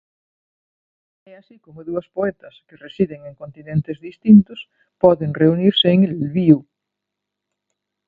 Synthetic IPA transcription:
ɛasikomʊðuɐspoɛt̪ɐskeresiðeŋeŋkont̪inẽnt̪ezðist̪int̪ʊs | pɔðeŋreuniɾseeŋelβiu

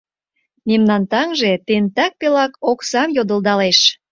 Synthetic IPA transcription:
memnɑnt̪ɑŋʒet̪ent̪ɑk̚pelɑkoksɑmjod̪ə̆ld̪ɑleʃ

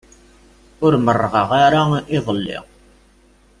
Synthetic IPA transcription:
ʊɾmərːʁɑʁaɾaɪðˤəlːɪ̰

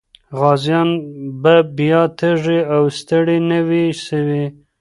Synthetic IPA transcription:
ɣɑzjɑnbabjɑt̪əʐiawst̪əɽinəwiʃəwi

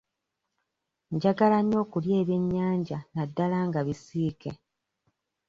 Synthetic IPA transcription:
ɲɟaɡalano̞ːkulje̞ːβje̞ɲːaːɲɟanadːalaːŋɡaβisiːke

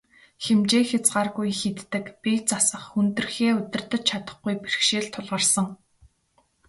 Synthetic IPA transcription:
xemt͡ɕeːxʲat͡sɢaːrɣujxet̪ːɘ̆kpit͡sasə̆χunt̪ɵ̆rxeːʊt̪ʲɪ̆r̥t̪ə̆t͡ɕt͡ɕʰat̪ə̥̆χɡujper̆xʃeːɮt̪ʰːʊɮʁə̆rsə̆ŋ

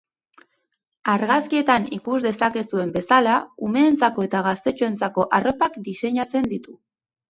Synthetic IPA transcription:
aɾɣaskie̞t̪anikuzd̪e̞sake̞sue̞mbe̞salaume̞ːnt͡sako̞e̞t̪aɣ̞ast̪e̞t͡ʃoe̞nt͡sako̞ʔaro̞pakd̪ise̞ɲat͡se̞nd̪it̪u

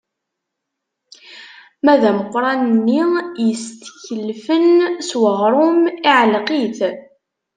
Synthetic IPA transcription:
mæðæməqːɾˤɑnənːijəst̪çəlfənswəʁɾˤʊmiʕlqiθ

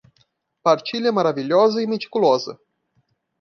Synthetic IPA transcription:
part͡ʃilieməɾavilʲjaz̬əjemit͡ʃi̥kulasə̰

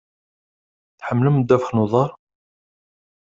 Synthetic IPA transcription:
θħəmːləmd̪ːæfəχnuðˤɑɾˤ

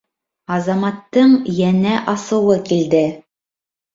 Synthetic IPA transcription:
ɑzɑmɑt̪ːɤɴjænæʔɑsɤ̆wɤkild̪ɘ

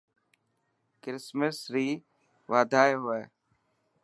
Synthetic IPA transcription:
kɪɾɪsməsɾiː | ʋaːd̪ʱaːeɦʊeː

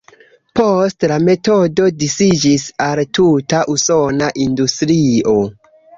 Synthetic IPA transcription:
po̞stlame̞to̞do̞disid͡ʒisaltutaʔuso̞naʔindustɾio̞

